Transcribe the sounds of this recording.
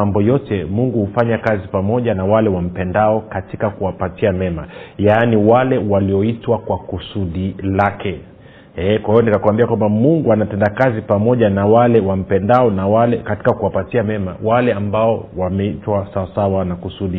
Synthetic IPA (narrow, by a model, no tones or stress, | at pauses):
ambɔjɔtɛmuŋɡuhufaɲakazipamɔʄanawalɛwam̩pɛndaɔkati̥kakuwapatiamɛmajaːniwalɛwaliɔitwakwakusuɗilakʰɛ | ɛkwahijɔnikakuwambiakwambamuŋɡuanatɛndakazipamɔʄanawalɛwam̩pɛndaɔnawalɛkati̥kakuwapatiamɛma̰walɛambaɔwamɛitwasaasawanakusuɗi